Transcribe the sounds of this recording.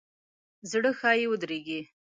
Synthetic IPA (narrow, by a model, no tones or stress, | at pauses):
zɽəxɑjewəd̪ɾeɡi